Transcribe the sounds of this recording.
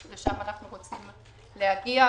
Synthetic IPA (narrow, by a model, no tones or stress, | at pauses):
leʃamanaχnuʁot͡sim | lehaɡia